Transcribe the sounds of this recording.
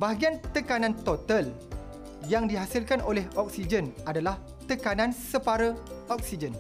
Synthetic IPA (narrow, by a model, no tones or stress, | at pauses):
baɦɡiant̪əkanãnt̪ot̪al | jaŋdiɦasilkanʔolɛhʔɔk̚sid͡ʒənʔadalah | t̪əkanãnsəpaɾəɔk̚sid͡ʒən